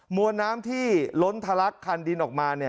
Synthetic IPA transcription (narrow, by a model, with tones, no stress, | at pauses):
mu˧ənːaː˦˥mt̪ʰiː˥˩lo˦˥nt̪ʰa˧la˦˥kʰːaː˧ndi˧nʔɔː˨˩k̚maː˧ni˥˩